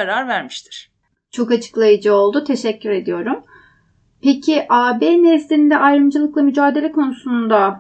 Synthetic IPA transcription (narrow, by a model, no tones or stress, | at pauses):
aɾaɾvæɾmiʃt̪ʰi̥ɾ̥ | t͡ʃʰo̞kat͡ʃʰɯ̥klˠajɯd͡ʒɯo̞lˠd̪ut̪ʰe̞ʃɛcːyɾe̞d̪ijo̞ɾum | pʰecʰiʔaːbeːnɛslʲiind̪ɛʔajɾɯmd͡ʒɯlˠɯklˠamyd͡ʒaːd̪e̞lʲɛkʰo̞nusund̪a